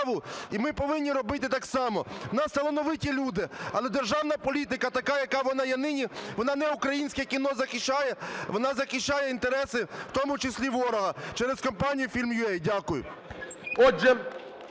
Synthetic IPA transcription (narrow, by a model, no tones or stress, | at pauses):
ʋʊimɪpɔʋɪnʲːiɾɔbɪt̪ɪt̪ɑksɑmɔnɑst̪ɐlˠɔnɔʋɪtʲilʲud̪ɪɐ̰lˠɛd̪erʒɑwnɐpɔlʲit̪ɪkɐt̪ɐkɑjɐkɑʋɔnɑjɛnɪnʲiʋɔnɑnɛʊkɾɐjinʲsʲkɛkʲinɔzɐxʲit͡ʃːajɛʋɔnɑzɐxʲit͡ʃt͡ʃajɛint̪eɾɛsɪw̥t̪ɔmʊt͡ʃɪsʲlʲiʋɔɾɔɦɐt͡ʃɛɾeskɔmpɑnʲijʊfʲilʲmjʊɛjdʲakʊjʊ̰ | ɔʒɛ